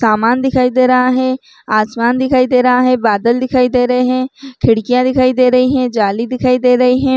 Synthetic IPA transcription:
saːmaːnd̪ɪkʰaːid̪eːɾɐɦaːɦɛ̃ː | aːsmaːnd̪ɪkʰaːid̪eːɾɐɦaɦɛ̃ːbaːd̪əld̪ɪkʰaːid̪eːɾəɦeɦɛ̃ːkʰɪɽkijãːd̪ɪkʰaːid̪eːɾəɦiɦɛ̃ːd͡ʒaːliːd̪ɪkʰaːid̪eːɾəiɦɛ̃ː

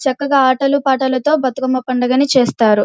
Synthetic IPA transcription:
t͡ʃɐkːɐɡaːaːʈɐlupaːʈɐlɐt̪o̞ːbɐt̪ɐkɐmɐpɐɳɖɐɡɐnit͡ʃeːst̪aːɾu

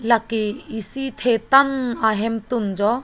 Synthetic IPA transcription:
lakeisit̪ʰet̪anaɦemt̪und͡ʒɔ

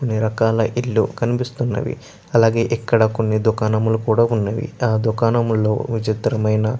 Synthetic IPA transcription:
konːiɾɐkaːlɐʔiɭːukɐnipist̪unːɐ̰ʋḭ | ɐlaːɡe̞ːʔikːɐɽɐkonːid̪ukaːnɐmulukuːɽaːunːɐʋḭaːd̪ukaːnɐmulːo̞̰ːʋit͡ʃit̪ɾɐmɐjnɐ

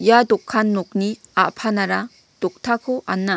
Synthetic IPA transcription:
jadɔkʰːanːɔk̚niapʰanaɾa | d̥ɔk̚tʰakʰɔʔanːa

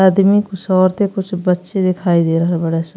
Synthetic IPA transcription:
aːd̪mikʊsɔːɾt̪ekʊt͡ʃʰbətːʃed̪ɪkʰaːid̪eːɾəɦɛbəɽes

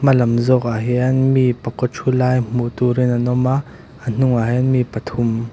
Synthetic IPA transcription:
mɐlɐmzɔkaɦiʔɐnmipɐkɔt͡ʃʰulaːjm̥uʔt̪uɾinanɔmaʔ | ən̥ʊŋaɦɛnmipət̪ʰum

